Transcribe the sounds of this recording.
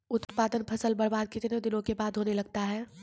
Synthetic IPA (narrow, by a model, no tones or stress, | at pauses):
ʊt̪paːd̪ənpʰɐsəlbɐɽbaːd̪̚kɪt̪ned̪ɪnõkebaːd̪ɦoːnelɐɡ̚t̪aɦɛː